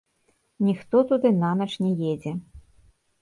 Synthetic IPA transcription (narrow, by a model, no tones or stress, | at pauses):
nʲixt̪ɔt̪ud̪ɨnamʲɛt͡ʂnʲɛjɛd͡zʲɛ